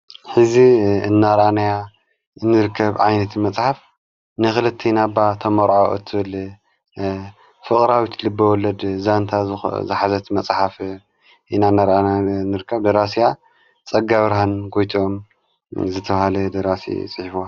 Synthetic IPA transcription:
ħɨziɨnːaɾʔanaja | nːɨɾɨkʰːɐβʕajnɐt̪ʰmɐt͡sʼħaf | nɨxɨlɨt̪ʰːinabːat̪ʰɐmɐɾʕoɨ̰t̪ʰːɨβɨl | fɨχʼɾawit̪ʰlɨbːɐwɔlɐd̪zant̪ʰa̰zɨħazɐt̪mɐt͡sʼħaf | ʔinaɨnːaɾananɨɾɨkʰːɐβd̪ɐɾasija | t͡sʼɐɡaβɾhanɡojt̪ʰiom | zɨt̪ʰɐβhalɛd̪ɐɾasḭt͡sʼɨħifo

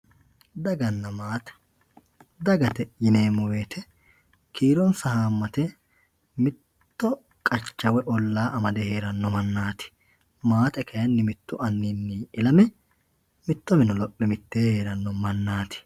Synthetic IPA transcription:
d̪ɐɡɐnːɐmaːt̪ɐ̥ | d̪ɐɡɐt̪ɛjɪneːmʊweːt̪ʰɛ | kʰiːɾɔnsɐhaːmːɐt̪ɛ | mɪt̪ːɔ | kʼɐt͡ʃːɐwɛʔɔlːaːʔɐmɐd̪ɛhe̞ːɾɐnːɔmɐnːaːt̪ɪ̥ | maːt̪ɛkʰɐjɐnːɪmɪt̪ːʊʔɐnːinːɪɪlɐmɛ | mɪt̪ːɔmɪnɔlɔpʼːɪmɪt̪ːeːheːɾɐnːɔmɐnːaːt̪ɪ̥

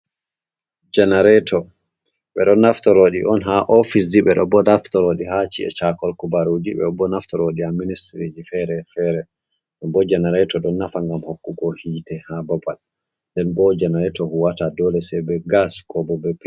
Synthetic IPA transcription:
d͡ʒɛnaɾɛtʰɔ | ɓɛ̰ɗɔnːaftɔɾoɗḭʔɔnɦaʔofis̬diɓɛɗɔbɔnaftɔɾoɗiɦat͡ʃḭɛ̰t͡ʃakɔlkubaɾud͡ʒibɛ̰ɔbɔnaftɔɾoɗiamːinistɾid͡ʒifɛɾɛfɛɾɛ | ɗɛnbɔd͡ʒɛnaɾɛtɔɗɔnːafaŋɡamhokːukɔhiːtɛhabɔbal | ndɛnbɔd͡ʒɛnaɾɛtɔhuwatadɔlɛsɛbɛɡasi̥kɔbɔbɛpɛ

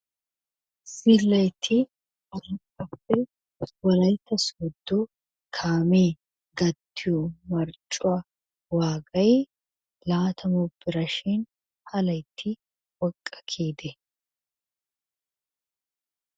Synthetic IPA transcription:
sɪlːɐjt̪ʰːɪ | ɐɪkʼɐpːɛ | wɐlɐjt̪ːɐsɔd̪ːɔ | kʰaːmeː | ɡɐt̪ʰːɪjɔmɐɾt͡ʃʼːʊa | waːɡɐj | laːt̪ʰɐmɔbɪɾɐʃɪn | hɐlɐjt̪ʰːɪ | wɔkʼːɐ̥kʰiːd̪ɛ

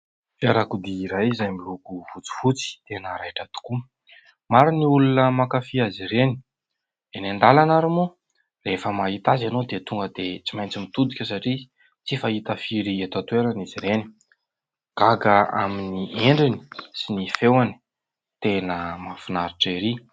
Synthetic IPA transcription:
faɾakud̪iːɾajzajmilukuvut͡si̥fut͡si̥t̪enəɾajʈ͡ʂat̪u̥ku | maɾiniulunəmakafiaziɾeni̥ | d̪enenɖ͡ʐ̪alanaɾumu | refəmait̪azanod̪et̪uŋɡəd̪et͡simajnt͡simit̪ud̪ikʲesaʈ͡ʂi | t͡sifait̪afiɾiet̪at̪weɾaniziɾeni̥ | ɡ̥aɡaa̰minieɳɖ͡ʐini̥sinifewani̥ | t̪enəmafinaɾiʈ͡ʂeɾi

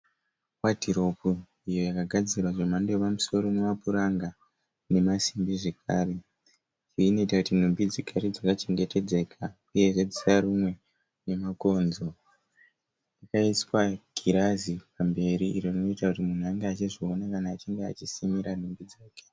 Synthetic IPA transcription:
watiɾo̞pu | ijo̞jakaɡʱad͡zirwaʐemandepamuso̞ɾo̞mumapuɾaŋɡa | ne̞masimbiʐe̞k̚ʰaːre | iino̞itakutin̤umbid͡zikʰaɾed͡zakat͡ʃe̞ŋɡete̞d͡ze̞kʰa | uje̞ʐe̞d͡zisaɾumwe̞ | ne̞mako̞nzo | jakaiswaɡ̥ʱiɾazipambe̞ɾiirorinoitakutimun̤uaŋɡeat͡ʃiʐio̞nakanaːt͡ʃiŋɡea̰t͡ʃisimiɾan̤umbid͡zaːke̥

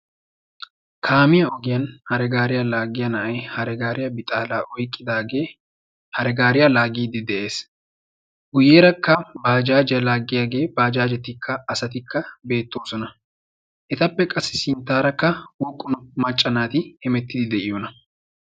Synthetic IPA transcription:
kʰaːmɪjɐɔɡɪjɐnhɐɾɛɡaːɾɪjɐlaːɡɪjɐnɐʔɐjhɐɾɛɡaːɾɪjɐbɪt̪ʼaːlaːʔɔjkʼːɪd̪aːɡeː | hɐɾɛɡaːɾɪjɐlaːɡiːd̪ɪd̪ɛʔe̞ːs | ɡʊjːeːɾɐkːɐbaːd͡ʒaːd͡ʒɪjɐlaːɡːɪjaɡe̞ːbaːd͡ʒaːd͡ʒɛt̪ːɪkːɐɐsɐt̪ɪkʰːɐbe̞ːt̪ːo̞ːsɔnɐ | ʔɛt̪ɐpːɛkʼɐsːɪ̥sɪnt̪ːaːɾɐkːɐwɔkʼːʊnɔmɐt͡ʃʼːɐnaːt̪ɪhɛmɛt̪ːɪd̪ɪd̪ɛʔɪjɔnɐ

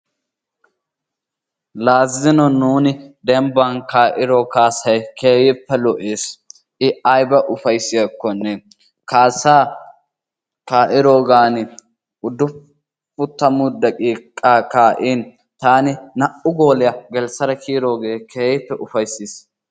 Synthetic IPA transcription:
laːzɪnɔnuːnɪd̪ɛmbɐnkaːʔɪɾɔkaːsɐjkeːjɪpːɛlɔʔeːs | ʔɪɐjbɐʔʊfɐjsːɪjɐkːɔnːɛ | kaːsaː | kaːʔɪɾoːɡaːnɪ | ʊd̪ːʊ | fʊt̪ːɐmʊd̪ːɐkʼiːkʼːaːkaːʔiːn | t̪aːnɪnɐʔʊɡoːlɪjɐɡɛlsɐɾɐkʰiːɾo̞ːɡeːkʰeːjɪpːɛʔʊfɐjsiːs

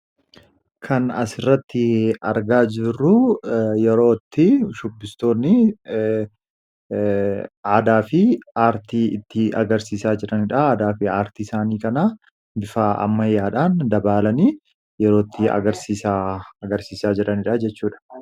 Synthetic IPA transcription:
kʰɐnɐsɪrːɐt̪ːɪɐ̰ɾɡaːd͡ʒɪrːʊjɛɾo̞ːt̪ːɪʃʊbːɪst̪o̞ːnːɪ | aːd̪aːfɪaːɾt̪iːɪ̰t̪ːɪɐɡɐɾsiːsaːd͡ʒɪɾɐnɪᶑaaːd̪aːfɪaːɾt̪iɪsaːniːkɐna | bɪfaːʔɐ̰mːɐjaːᶑaːnd̪ɐbaːlɐniː | jɛɾo̞ːt̪ːɪɐ̰ɡɐɾsiːsaːɐɡɐɾsiːsaːd͡ʒɪɾʔɐnɪᶑɐd͡ʒɛt͡ʃːuːᶑɐ̥

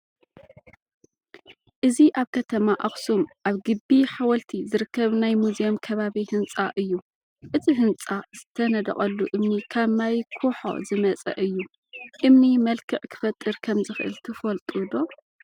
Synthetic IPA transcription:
ʔɨziʔaβkʰɐt̪ʰɐmaʔaχsumʔaβɡɨbːiħawɐlt̪ʰizɨɾɨkːɐβnajmuzijomkʰɐβaβihɨnt͡sʼaʔɨjːu | ʔɨt̪ʰiɦɨnt͡sʼaz̥ɨt̪ʰɐnɐd̪ɐ̰χʼɐlːuʔɨmnikʰaβmajkʰuħo̰zɨmɐt͡sʼɐ̰ʔɨjːu | ʔɨmnimɐlkʰɨʕkʰɨ̥fɐt̪ʼːɨɾkʰɐmzɨxɨʔɨ̰lt̪ʰɨfɐlt̪ʼud̪o̞

